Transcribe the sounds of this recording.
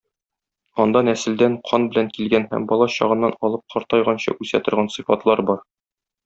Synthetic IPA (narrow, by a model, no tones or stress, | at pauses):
ɒnd̪ɑnæsɘ̆ld̪æɴqʰɒnbɘ̆læŋkilɡænhæ̰mbɒlˠɑɕɒʁɤ̆nːɑnɒlˠɤp̚qʰɒɾt̪ɑjʁɑnɕɑ̰ʔʉsæ̰t̪ŏɾʁɑnsɨfɑt̪lˠɑɾbɒɾ